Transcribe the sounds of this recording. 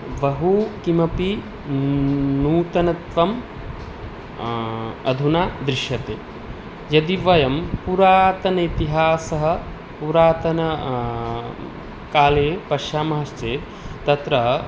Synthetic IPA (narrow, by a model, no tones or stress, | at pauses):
ʋɐɦukimɐpi | nuːt̪ɐnɐt̪ʋɐm | ɐd̪ʱunaːd̪ɾiʃjɐt̪eː | jɐd̪iʋɐjɐmpuɾaːt̪ɐnɐit̪iɦaːsɐɦɐ̆ | puɾaːt̪ɐnɐ | kaːleːpɐʃjaːmɐɦɐʃt͡ʃeː | t̪ɐt̪ɾɐ